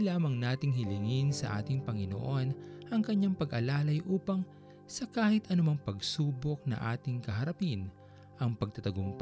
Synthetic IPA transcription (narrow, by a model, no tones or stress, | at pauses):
laːmɐŋnaːt̪ɪŋhɪlɪŋɪnsɐ̰ʔa̰ːt̪ɪŋpɐŋɪno̰ʔo̞nʔɐŋkɐɲːaŋpɐɡʔɐlaːlɐjʔuːpɐŋ | sɐkaːhɪt̪ʔɐnʊmɐŋpɐɡsuːbok̚nɐ̰ŋʔa̰ːt̪ɪŋkɐɦɐɾɐpin | ʔɐŋpɐɡ̚t̪ɐt̪ɐɡoŋp